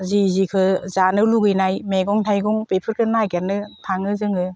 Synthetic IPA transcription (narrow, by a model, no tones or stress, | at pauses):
zizikʰɯzanɯluɡɯjnajmeɡɔŋtʰajɡɔŋpepʰɯɾkʰɯnajkaɾnɯtʰaŋɯzɯŋɯ